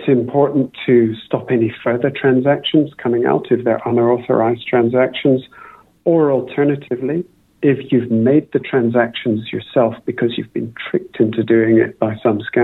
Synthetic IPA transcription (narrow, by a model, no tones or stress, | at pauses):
tsɨ̃mpʰɔɹʔn̩tʰɨstɑpɛnifɜ˞ðə˞tʰɹ̥æ̃nzækʃɨ̃nz̥kʰʌmɪ̃ŋa̰ʊɾɨfðə̰˞ʔʌ̃nə˞ɔθə̰˞aɪztʰɹ̥æ̃nzækʃɨ̃nz | ə˞əl̩ˠtʰɜ˞nɨɾɨvli | ɪfjʉvmeɪd̪̚ðɨtʰɹ̥æ̃nzækʃn̩zjə̰˞sɛlˠfb̥ɨkʰʌzjʉvbɨ̃ntʰɹ̥ɪk̚tʰɪ̃ntʰʉdʉɪ̃ŋɪ̰t̚b̥aɪsʌ̃mskæ̃